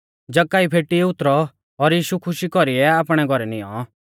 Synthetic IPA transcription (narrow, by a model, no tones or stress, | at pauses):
d͡ʒɐkːaːipʰeːʈiɛʊt̪ɾɔː | ɾjiːʃukʰʊʃikɔɾiɛaːpɽ̃ɛɡʱɔɾɛnijɔ̰̃